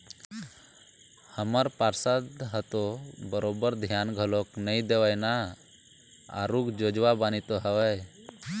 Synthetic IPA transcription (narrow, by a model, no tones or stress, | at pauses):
həməɾpaɾsad̪ɦət̪obəɾoːbəɾd̪ʱjaːnɡʱəloknəĩd̪eʋəjna | a̰ɾuːɡd͡ʒoːd͡ʒʋabaːnit̪oɦəʋəj